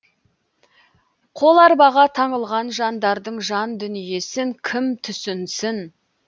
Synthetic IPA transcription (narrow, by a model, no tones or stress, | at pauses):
qʰo̞lˠɑɾbɑʁɑt̪ʰɑɴəlˠʁɑnʒɑnd̪ɑɾd̪əɴʒɑnd̪ʏnije̞sɪŋkʲʰɪmt̪ʰʏsɪnsɪn